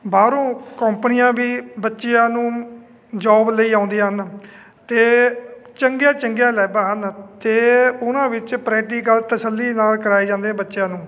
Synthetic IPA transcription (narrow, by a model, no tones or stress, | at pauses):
baːɾõːkəmpənɪjãːbiːbətːʃejãːnũː | d͡ʒɔːbləiːãːʊ̃nd̪ijãːɦn | t̪eːt͡ʃəŋɡjaːt͡ʃəŋɡjaːlɛːbaːɦənt̪eːʊnãːʋɪt͡ʃpɾɛːʈiːkəlt̪əsəlːiːnaːlkəɾaːiːd͡ʒãːnd̪eːɛ̃ːbətːʃjãːnũː